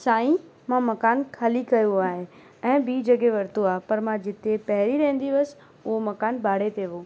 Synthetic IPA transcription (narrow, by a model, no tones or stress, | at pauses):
saːĩmãmɐkaːnkʰaːlikɐjoaːɦe | ɛ̃ːbiːd͡ʑɐɡeʋɐɾt̪oaːɦepɐɾmãd͡ʑɪt̪epɐɦɪɾiɾɐ̃ɦɪ̃n̆d̪iʋɐsɪ̥̆ | ʊɦomɐkaːnbʱaːɽ̤et̪ʰeːʋoː